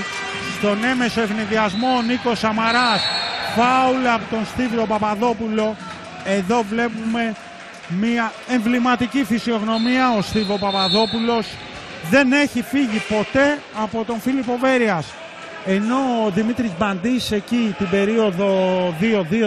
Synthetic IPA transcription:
st̪o̞ne̞me̞soe̞vniðiɐzmo̞niko̞sɐmɐɾɐsfɐulːpot̪o̞nst̪iðɾopɐpɐðo̞pulo̞ | e̞ðo̞vle̞pume̞ | miɐ | eɱvlimɐt̪icifisio̞ɣno̞miɐost̪iðo̞pɐpɐðo̞pulo̞s | ðe̞ne̞çifiʝipo̞t̪e̞ɐpo̞t̪o̞nfilipo̞ve̞ɾiɐs | e̞no̞ðimit̪ɾizbɐnd̪ise̞cit̪ibe̞ɾio̞ðo̞ðio̞ðio

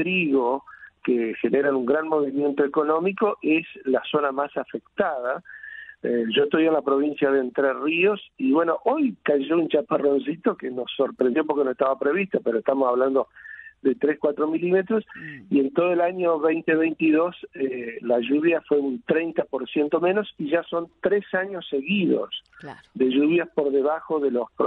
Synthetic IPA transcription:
t̪ɾiɣokexeneɾanuŋɡɾanmo̞βimje̞nt̪oeko̞nõ̞miko̞ʔeslaso̞namasafekt̪aða | eʒoest̪ojenlapɾo̞β̞insjaðent̪ɾeriosiβwenoʔojkaʒount͡ʃaparons̬it̪okenosoɾpɾend̪jo̞p̬oɾkenoest̪aβapɾeβist̪opeɾoest̪amosaβland̪o̞ðe̞t̪ɾeskwat̪ɾomilimet̪ɾosie̞nt̪oð̞oelaɲoβejnt̪eβejnt̪iðo̞selaʒuβjafweunt̪ɾejnt̪apoɾsjent̪o̞mẽno̞siʒaso̞nt̪ɾesaɲo̞seɣiðo̰sd̪e̞ʒuβjaspoɾðeβaxoðelosp

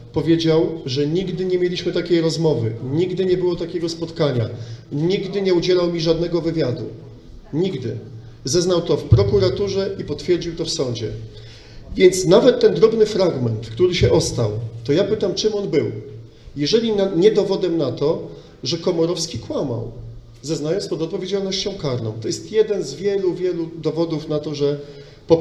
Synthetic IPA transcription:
pɔvʲjed͡ʑawʐɛɲiɡd̪ɘɲɛmʲjelʲiɕmɘt̪akʲejɾɔzmɔvɘɲiɡd̪ɘɲɛbɘwɔt̪akʲɛɡɔspɔt̪kaɲa̰ɲiɡd̪ɘɲɛud͡ʑɛlawmʲiʐad̪nɛɡɔvɘvʲjad̪ṵ | ɲiɡd̪ɘ | zɛznawt̪ɔfpɾɔkuɾat̪uʐɛʔipɔt̪fʲjɛɾd͡ʑiwt̪ɔfsɔɲd͡ʑɛ̰ | vʲjɛnt̪snavɛt̪ːɛnd̪ɾɔbnɘfɾaɡmɛnt̪kt̪uɾɘɕɛʔɔst̪awt̪ɔjapɘt̪amt͡ʂɘmɔnbɘw | jɛʐɛlʲinaɲɛd̪ɔvɔd̪ɛmnat̪ɔ | ʐɛkɔmɔɾɔfskʲikwama̰w | zɛznajɔ̃nspɔd̪ɔt̪̚pɔvʲed͡ʑalnɔɕt͡ɕɔ̃w̃kaɾnɔ̃w̃t̪ɔjɛst̪jɛd̪ɛnzvʲjɛluvʲjɛlud̪ɔvɔd̪ufnat̪ɔʐɛ | pɔ

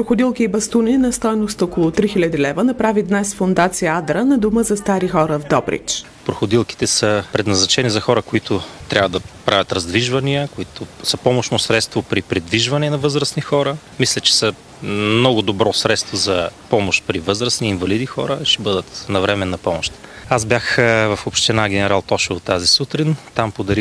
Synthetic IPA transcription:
pɾoxoʊd̪ilˠkiːbɐst̪unʲinɐst̪ɔjnost̪ɔkolˠot̪ɾixilʲɐd̪ilɛvənɐpɾavid̪nɛsfʊnd̪at̪sijəad̪ɾənɐd̪uməzɐst̪aɾixɔɾəvd̪ɔbɾḭt͡ʃ | pɾoxʊd̪ilˠki̥t̪ɛsəpɾɛd̪nɐznɐt͡ʃɛnizɐxɔɾəkoit̪ʰʊt̪ɾʲavəd̪ɐpɾavʲɐt̪ɾɐzd̪viʒvɐniəkoit̪ʊsəpɔmoʃnosɾɛt̪st̪vopɾipɾid̪viʒvɐnɛnɐvɤzɾəsnixɔɾə | mislʲɛt͡ʃɛ̥sə | mnɔɡʊd̪obɾɔsɾɛt̪st̪vozɐpɔmoʃt̪̚pɾivɤzɾəsniːnvɐlid̪ixɔ̰ɾəʃɛbɤd̪ət̪nɐvɾɛmɛnːɐpɔmoʃt̪azbjaxvɐfopʃt̪ɛnaɡʲɛnɛɾalˠt̪ɔʃovot̪ːazisut̪ɾint̪ampod̪ɐɾi

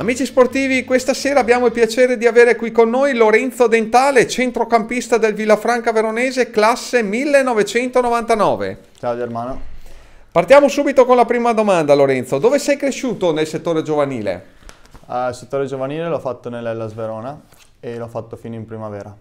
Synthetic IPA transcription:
amiːt͡ʃisport̪iːvikwest̪aseːɾaːbjaːmoilpjat͡ʃeːɾed̪iaveːɾekwikonːojloɾɛnt̪od̪ent̪aːlet͡ʃent̪ɾokampist̪ad̪elvilːafɾaŋkaveɾoneːzeklasːemilːenːɔvet͡ʃɛnt̪onovant̪anɔːvḛ | t͡ʃaːod͡ʒeɾmaːno | part̪jaːmosuːbit̪okonlapɾiːmad̪omand̪aloɾɛnt̪sod̪oːvesɛjkɾeʃuːt̪onelset̪ːoːɾed͡ʒovanḭːlḛ | lset̪ːoːɾed͡ʒovaniːleloafat̪ːonelːɛlːazveɾoːna | eloafːat̪ːofiːnoimpɾimavɛːɾa

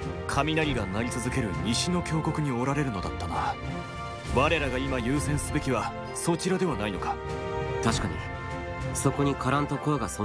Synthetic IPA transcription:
kʰamʲinaɡʲiɡanaɾʲit͡sɨzɨke̞ɾɯ̟ɲʲiɕino̞kʲo̞ːko̞kɯ̟ɲ̟io̞ɾaɾe̞ɾɯ̟no̞d̪at̪ːanoβa | baɾe̞ɾaɡaimajɯːsẽ̞ɰ̃sɨbe̞kʲiβa | so̞t͡ɕiɾad̪e̞β̞anaino̞kḁt̪aɕi̥kaɲ̟ḭ | so̞ko̞ɲ̟ikaɾãnt̪o̞koβaɡaso

